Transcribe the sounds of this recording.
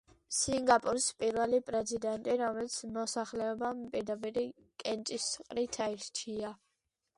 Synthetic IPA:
siŋɡapʼuɾspʼiɾvɛlipʼɾɛzid̪ɛnt̪ʼiɾɔmɛlit̪sʰmɔsaχlɛɔbampʼiɾd̪apʼiɾi | kʼɛnt͡ʃ̪ʼisqʼɾit̪ʰaiɾt͡ʃʰia

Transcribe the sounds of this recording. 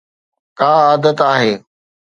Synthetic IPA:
kaːaːd̪ət̪aːɦeː

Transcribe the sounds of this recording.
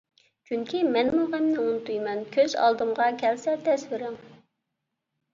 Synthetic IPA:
t͡ʃʰyŋkʲʰimɛnmuʁæmnɪunt̪ujmɛnkʲʰøz̥ɑ̰lˠd̪ɨmʁɑkʲʰɛlsɛɾd̪ɛsvɪɾɪŋ

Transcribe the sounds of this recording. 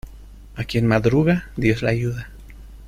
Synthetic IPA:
akjenmaðɾuɣad̪jo̞slaʝuða

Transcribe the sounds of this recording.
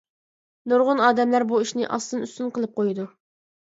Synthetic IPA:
nuɾʁʊnɑːd̪ɛmlæɾbuiʃnɪ̰ʔɑ̰st̪ɨnyst̪ynqəlˠɨp̚qʰojid̪u

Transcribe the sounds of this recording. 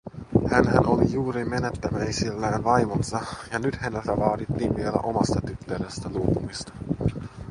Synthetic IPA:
hænɦæno̞lijuːɾimenet̪ːæmæjsilːæːnʋɑjmonsɑjɑnyt̪hænelt̪æʋɑːd̪it̪ːiːnʋielæ̰ʔo̞mɑst̪ɑt̪yt̪ːøɾest̪æluopumist̪ɑ̥

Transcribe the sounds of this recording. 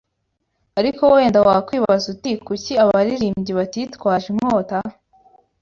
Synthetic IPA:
aɾikowe̞ːndawakwiːβazutikuciaβaɾiɾiːmɟiβatitwaːʒimŋota

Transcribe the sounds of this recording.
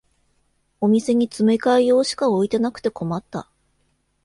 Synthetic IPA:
o̞mʲise̞ɲ̟it͡sɨme̞kaijo̞ːɕi̥kao̞it̪e̞nakɯ̥t̪e̞ko̞mat̪ːa̰

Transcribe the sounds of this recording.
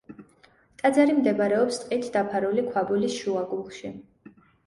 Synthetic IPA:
t̪ʼad̪zaɾimd̪ɛbɾɛɔpst̪ʼqʼit̪ʰd̪apʰaɾulikʰwabulisʃuaɡulˠχʃi

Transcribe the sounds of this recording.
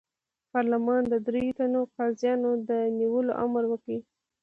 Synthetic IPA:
pɑɾləmɑnd̪əd̪ɾejot̪anoqɑzjɑnod̪əniwəlo̰ʔa̰mɾwəkɽi

